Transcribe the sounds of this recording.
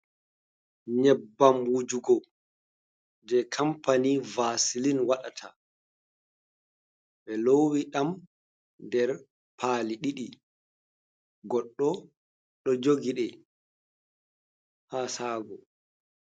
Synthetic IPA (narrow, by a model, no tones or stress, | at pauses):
ɲɛbːambud͡ʒuɡɔ | d͡ʒɛkʰampanivasilinwaɗatʰa | ɓɛlowiɗam | dɛɾ | pʰaːliɗiɗi | ɡɔɗːɔ | ɗɔd͡ʒoɡiɗɛ | hasaːɡɔ